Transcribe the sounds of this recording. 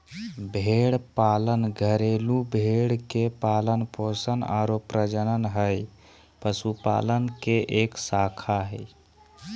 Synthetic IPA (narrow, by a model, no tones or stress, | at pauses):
bʱeɽpalənɡʱəɾelubʱeɽkepalənposəna̰ɾopɾəd͡ʒənənɦəj | pəsupa̰lənkeʔeksakʰaɦəj